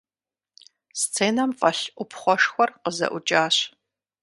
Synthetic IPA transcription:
st͡sʰeːnɐmfʼɐɬʔʷʊpʰχʷɔʂxʷɔrqəzɐ̰ʔʷʊt͡ʃʼaːɕ

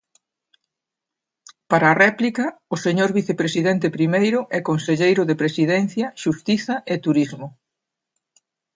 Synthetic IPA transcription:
paɾɐːrɛplikɐʊseɲoɾβiθepɾesiðɛnt̪epɾimejɾʊʔɛkonseʎejɾʊðepɾesiðɛn̟θjɐʃust̪iθɐʔet̪uɾizmʊ

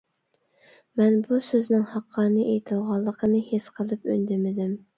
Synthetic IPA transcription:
mɛnbusøznɪŋhɑqʰːɑːnɨʔejt̪ʰɨlˠʁɑlˠːəqʰənɨhesqʰəlˠɨpy̰nd̪ɪmɪd̪ɪm

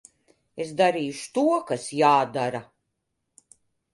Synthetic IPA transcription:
es̬d̪aɾiːjʃu̥t̪uɔkasjaːd̪aɾa

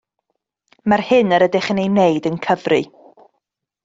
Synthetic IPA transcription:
marhɨnəɾədɪχənejneɨdənkʰəvrɨ

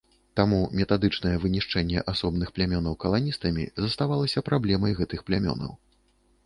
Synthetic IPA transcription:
t̪amumʲɛt̪ad̪ɨt͡ʂnɐjɛvɨnʲiʂt͡ʂɛnʲːɛ̰ʔasɔbnɨxplʲamʲɔnɐwkɐlˠanʲist̪ɐmʲḭzɐst̪avalˠɐsʲɐpɾablʲɛmɐjɣɛt̪ɨxplʲamʲɔ̰nɐ̰w

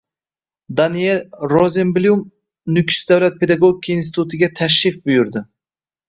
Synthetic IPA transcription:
d̪anijelɾozembljum | nʊkʲsd̪awlat̪̚pʰe̞d̪aɡoɡʲikʰaiːnsit̪ʰut̪ʰɪɡʲat̪ʰaʃ̬ɾɪfbʊjʊɾd̪ɪ

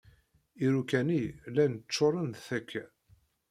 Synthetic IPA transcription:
iɾukænilænət͡sːoɾˤənðθækʰːæ

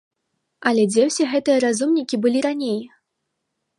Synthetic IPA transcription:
ɐlʲɛd͡zʲɛwsʲɛɣɛt̪ɨjɐɾazumnʲikʲibɨlʲiɾanʲej

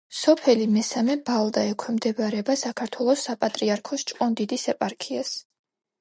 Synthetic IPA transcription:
sɔpʰɛlimɛsamɛbalˠd̪aɛkʰwɛmd̪ɛbaɾɛbasakʰaɾt̪ʰwɛlˠɔsːapʼat̪ʼɾiaɾkʰɔst͡ʃʼqʼɔnd̪id̪isɛpʼaɾkʰias

